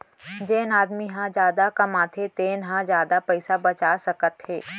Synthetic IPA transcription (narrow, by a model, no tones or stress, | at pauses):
d͡ʒeːnaːd̪miɦãd͡ʒjaːd̪akɐmãːt̪ʰet̪eːnɦãd͡ʒjaːd̪apɛɪsabɐt͡ʃaːsɐkət̪heː